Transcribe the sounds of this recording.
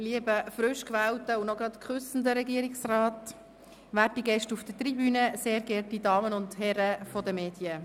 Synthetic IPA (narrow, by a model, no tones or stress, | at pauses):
liəbəfɾʏʃkʋæwtəunɔɡɾɑt̪kχʏsn̩dəɾɛɡiəɾɪksrɑːt | ʋæːtiɡɛʃtufd̥ətɾibyːnəseːɾɡɛːɾtidɑːmənʊndhɛɾəfɔdəmeːd̥iə